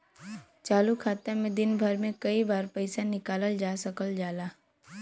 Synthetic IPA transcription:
t͡ʃaːlukʰaːt̪amẽd̪ɪnbʱəɾmẽkəibaːɾpəɪsanɪkaːləld͡ʒaːsəkəld͡ʒaːlaː

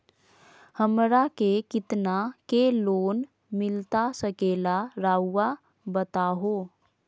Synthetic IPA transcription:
həmɾakekɪt̪nakeloːn | mɪlt̪asəkeːlaɾaːa | bət̪aɦoː

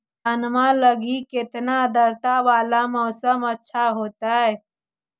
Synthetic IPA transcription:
d̪ʱənmaləɡikɪt̪nad̪əɾt̪aʋaːlamɔːsəmətːʃʰaɦoːt̪aɦɛː

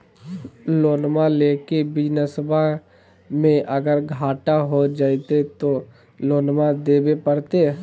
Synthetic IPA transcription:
loːnmaleːkebɪd͡ʒnəsəbʱa | mẽʔəɡəɾɡʱaːʈaɦod͡ʒaːit̪et̪o | loːnmad̪eːbepəɾt̪e

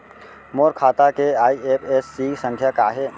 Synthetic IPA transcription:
moːɾkʰaːt̪akeaːiepʰesːiːsə̃ŋkʰjakaɦe

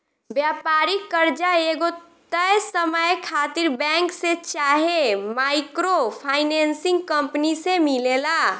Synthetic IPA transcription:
bjapaɾikəɾd͡ʒaeɡot̪əjsəməjkʰat̪iɾbɛ̃ŋkset͡ʃaɦemakɾopʰaɪnensĩŋɡkə̃mpnisemilela

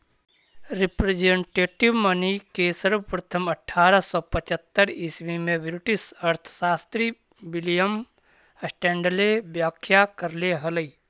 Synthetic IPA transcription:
ɾipɾed͡ʒeɳʈeːʈiʋmənəkesəɾbəpɾət̪ʰəməʈʰːaːɾəsɔpət͡ʃət̪ːəɾismimẽbɾʈisəɾt̪ʰə̥saːst̪ɾi | bilijəm | əsʈɛ̃ːɳɖəlebjaːkʰjakəɾleɦələi

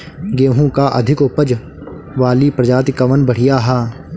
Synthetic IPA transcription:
ɡeːɦũkaʔɐ̰d̪ʱɪkʊpəd͡ʒ | ʋaːlipɾɐd͡ʒaːt̪ɪkəʋənbəɽ̤ɪjaɦaː

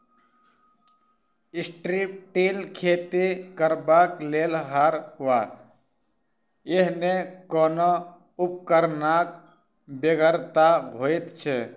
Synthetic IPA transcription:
ɪsʈɾipʈilkʰeːt̪ikəɾbaːkleːlɦaːɾɦʊa | eɦnekɔːno | ʊp̚kəɾnaːk | beɡəɾt̪aɦoːit̪t͡ʃʰe

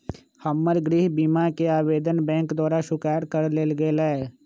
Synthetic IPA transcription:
həmːəɾɡɾiɦbiːmakeaːʋeːd̪ənbɛ̃ːŋkd̪ɔːɾaʃʊkaːɾkəɾleːlɡeːlɛɛ

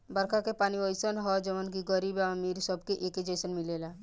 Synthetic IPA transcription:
bəɾkʰakepaːniɔjsənɦɔd͡ʒəʋənkiɡəɾibamiːɾsəbkeʔeked͡ʒejsənmilela

